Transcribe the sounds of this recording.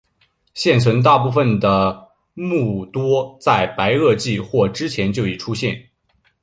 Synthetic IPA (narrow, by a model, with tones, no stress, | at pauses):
ɕjɛ˥˩nt͡sʰwə˧˥nt̪a˥˧p̬u˥˩fə˩nd̪ə˩ | mu˥˩t̪wɔ˥t͡sa˥˩ɪpa˧˥ɪɤ˥˧t͡ɕi˥˧xwɔ˥˩ʈ͡ʂɻ̩˥t͡ɕʰjɛ˧˥nt͡ɕjo˥˩ʊi˨˩ʈ͡ʂʰu˥ɕjɛ˥˧˩n